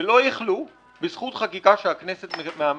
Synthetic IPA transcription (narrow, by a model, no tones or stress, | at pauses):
elo̞jeχlu | besχut̪χakikaʃeakne̞se̞t̪meam